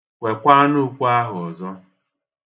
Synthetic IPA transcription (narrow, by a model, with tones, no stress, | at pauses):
kʷe˨kʷa˦nu˦kʷu˦a˦ɦʊ˨ɔ˨zɔ˦